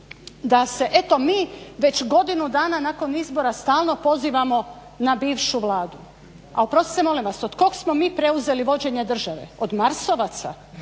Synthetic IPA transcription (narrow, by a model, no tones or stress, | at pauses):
d̪ase̞ʔe̞t̪o̞miːʋe̞t͡ɕɡo̞d̪inud̪aːnanako̞nizbo̞ɾast̪aːlˠno̞po̞ziːʋamo̞ | nabiːʋʃuʋlˠaːd̪u | aopɾo̞si̥semo̞limʋaso̞d̪ko̞ɡsmo̞miːpɾe̞uze̞liʋo̞d͡ʑe̞ɲe̞d̪r̩ʒaʋe̞̰od̪maɾso̞ʋat̪sa